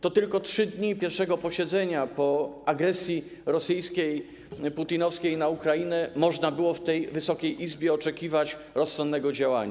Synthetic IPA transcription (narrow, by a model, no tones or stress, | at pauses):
t̪ɔt̪ɘlkɔtʂɘd̪ɲipʲjɛɾfʂɛɡɔpɔɕɛd̪zɛɲapɔaɡɾɛsʲji | ɾɔsɘjskʲej | put̪inɔfskʲejnaukɾajinɛmɔʐnabɘwɔft̪ɛjvɘsɔkʲejʔizbʲjɛɔt͡ʂɛkʲivat͡ɕ | ɾɔsːɔnd̪ːɛɡɔd͡ʑawa̰ɲa̰